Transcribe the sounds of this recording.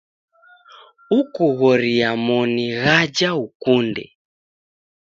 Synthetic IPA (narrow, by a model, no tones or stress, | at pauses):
ukɔɣɔɾiamɔniɣad͡ʒaukundɛ̰